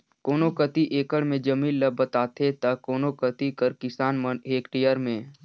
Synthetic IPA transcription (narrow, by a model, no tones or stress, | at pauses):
koːnokət̪iʔeːkəɽmẽd͡ʒəmiːllɐbət̪aːt̪ʰet̪ɐkoːnokət̪ikəɾkɪsaːnməneːkʈijəɾmẽː